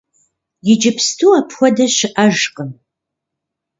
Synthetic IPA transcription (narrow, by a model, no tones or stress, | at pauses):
jɪd͡ʒɪpʰstʰuːɐpʰxʷɔdɐɕɪʔɐʒqə